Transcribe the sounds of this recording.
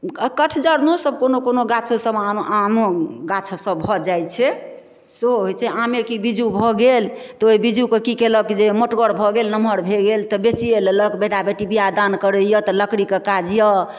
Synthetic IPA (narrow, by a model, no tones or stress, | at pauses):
kəʈʰd͡ʒəɾnosəb̚konokonoɡat͡ʃʰosəbaʔanoɡat͡ʃʰsəbbʱɔd͡ʒajt͡ʃʰɛ | seɦoɦot͡ʃʰɛʔamekibid͡ʒubʱɔɡel | t̪ɔoibid͡ʒukekikeləkid͡ʒemoʈɡəɽbʱɔɡelnəməɾbʱeɡelt̪ɔbet͡ʃieleləkbeʈabeʈibijad̪ankəɾəjət̪ɔləkɽikekad͡ʒjə